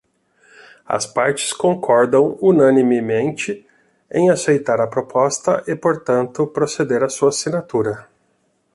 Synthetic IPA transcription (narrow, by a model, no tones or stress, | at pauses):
ɐ̰spaɾt͡ʃɪ̥skõŋkʰɔɾd̪ɐ̃w̃unɐ̃nimɪmẽnt͡ʃɪ | ḛ̃j̃asejt̪aɾɐpɾopɔst̪ɐʔɪpoɾt̪ɐ̃nt̪ʊpɾosed̪eɾɐsuɐsinat̪uɾɐ